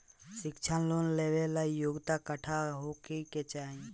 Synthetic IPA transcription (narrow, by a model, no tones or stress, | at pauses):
sɪkt͡ʃʰanloːnleʋelaijoɡt̪akəʈʰaɦokiket͡ʃaːĩ